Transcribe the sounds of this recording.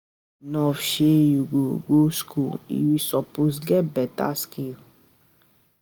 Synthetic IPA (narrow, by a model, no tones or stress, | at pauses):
nɔ̃fʃejuɡoɡoskuḭwisɔpus̬ɡɛbɛta̰skil